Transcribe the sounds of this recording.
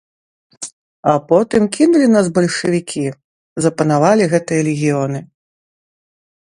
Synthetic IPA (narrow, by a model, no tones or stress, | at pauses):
apɔt̪ɨmkʲinulʲin̪asbɐlʲʂɨvʲikʲʰi | zɐpɐnavalʲiɣɛt̪ɨjɐlʲɪɣʲijɔnɨ